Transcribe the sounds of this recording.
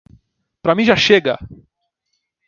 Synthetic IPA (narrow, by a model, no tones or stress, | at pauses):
pɾɐmĩʒaʃeɡɐ